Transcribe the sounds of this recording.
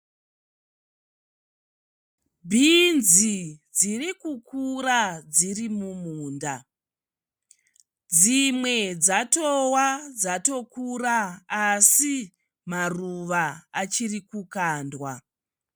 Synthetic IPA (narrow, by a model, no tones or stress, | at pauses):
bʱinzid͡zirikukurad͡zirimumuːnda | d͡zimwe̞d͡zatowad͡zato̞kuraːsi | maruʋaat͡ʃirikukaːndwa